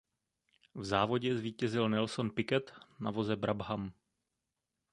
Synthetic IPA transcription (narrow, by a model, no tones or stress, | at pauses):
vzaːvo̞ɟɛzviːcɛzɪlnɛlsonpɪkɛt̪navo̞zɛbɾʔabɦam